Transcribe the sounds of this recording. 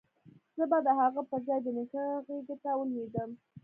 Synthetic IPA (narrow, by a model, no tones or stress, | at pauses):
z̥əbad̪əhaɣapəɾzɑjd̪ənəxəɣeɡet̪awəled̪əm